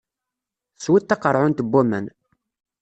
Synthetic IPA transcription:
swit̪ːɑqəɾˤʕʊnt̪əbːæmæn

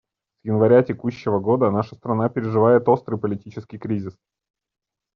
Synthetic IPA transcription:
sjɪnvɐɾʲatʲɪkuɕːɪvəɡo̞d̪ənaʂəst̪ɾɐnapʲɪɾʲɪʐɨvajɪt̪o̞st̪ɾɨjpəlʲɪtʲit͡ɕɪskʲijkɾʲizʲɪs

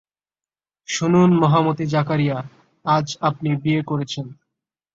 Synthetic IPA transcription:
ʃununmɔɦamot̪id͡ʑakaɾija | ad͡ʑap̚nibiekoɾet͡ɕʰen

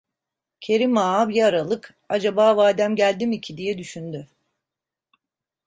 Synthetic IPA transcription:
cʰe̞ɾimaːbiɛaɾalˠɯk | ad͡ʒabaːvaːd̪æmɟælʲd̪imicʰid̪ijɛd̪yʃynd̪y

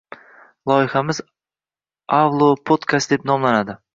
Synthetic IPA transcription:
lˠɒjɪhamɪz | awlˠopʰod̪kʰast̪̚d̪e̞pnɒmlanad̪ɪ

